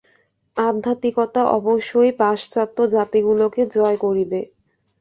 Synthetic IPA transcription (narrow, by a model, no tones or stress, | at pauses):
ad̪ʱːat̪ikɔt̪aʔɔboʃːojpaʃt͡ɕat̪ːod͡ʑat̪iɡuloked͡ʑɔekoɾibe